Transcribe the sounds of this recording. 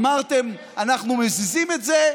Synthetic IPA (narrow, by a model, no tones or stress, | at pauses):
maʁt̪ɛm | anaχnumesizimɛtzɛ